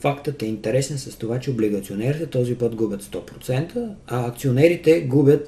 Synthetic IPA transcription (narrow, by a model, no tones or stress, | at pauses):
fakt̪ət̪ɛint̪ɛɾɛsnɛnsəst̪ovat͡ʃɛobliɡət̪sionɛɾit̪ɛt̪ɔzipɤt̪ɡubʲət̪st̪ɔpɾot̪sɛnt̪əɐːkt̪sionɛɾit̪ɛɡubʲjət̪